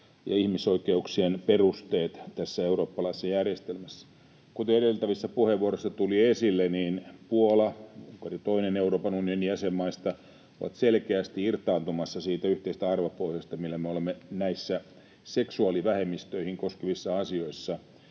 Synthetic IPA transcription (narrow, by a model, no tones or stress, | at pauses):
jɑ̰ihmisoikeuksienperust̪eːt̪t̪æsːæeuɾo̞ːpːɑlɑisːɑjærjest̪elmæsːæ̥ | kut̪eedelt̪æʋisːæpuheʋːuorosːɑt̪uliesilːeniːnpuolɑuŋkɑrjɑt̪oineneuroːpɑnunionijæsemːɑist̪ɑ | oʋɑ̰t̪selkeæst̪iirt̪ˑɑːnt̪umɑsːɑsiːt̪æyht̪eist̪æɑrʋɑpohjɑst̪ɑmilːæmeolemːenæisːæ | seksuɑliʋæhemːist̪øihiŋkoskeʋisːɑɑsio̞isːɑ